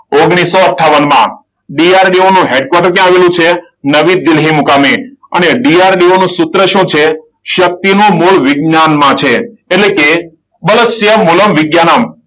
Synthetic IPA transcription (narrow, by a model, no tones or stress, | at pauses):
oɡɳ̃isːoəʈʰːaʋənmã̰ | ɖiaɾɖionũɦeɖ̚kwaɾʈəɾt̪jãːʋelũt͡ʃʰe | nəʋid̪ɪlɦimukameə̰neɖiaɾɖionũsʊt̪ɾəʃũt͡ʃʰe | ʃək̚t̪inũmuɭʋɪɡnanmãt͡ʃʰeːʈleke | bələsjəmuləmʋɪɡjanam